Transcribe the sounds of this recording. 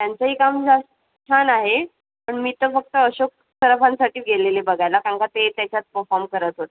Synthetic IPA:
t̪jant͡səɦiːkamd͡zast̪ə | t͡ɕʰanaɦe | pəɳmiːt̪əfək̚t̪əəɕok̚ | səɾəpãnsaʈiːɡʱelelebəɡʱajlakãŋkat̪et̪jat͡ɕjat͡spəfɔɾmkəɾət̪ɦot̪e

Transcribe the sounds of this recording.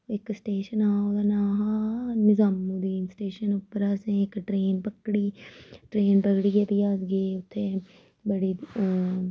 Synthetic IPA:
ɪksʈeːʃənãːoːɡ̪anaɦanɪzaːmːud̪iːnsʈeːʃənʊpːəɾaːsẽɪkʈɾeːnpɐkɽiːʈɾeːnpɐkɽijeb̪iaːsɡeʊt̪ʰːe | bɐɽi

